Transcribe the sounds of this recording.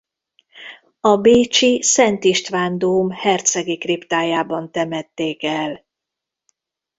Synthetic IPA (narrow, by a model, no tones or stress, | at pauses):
ɒbeːt͡ʃisɛnt̪iʃt̪ʋaːnd̪oːmhɛrt̪sɛɡikript̪aːjaːbɒnt̪ɛmɛt̪ːeːkɛl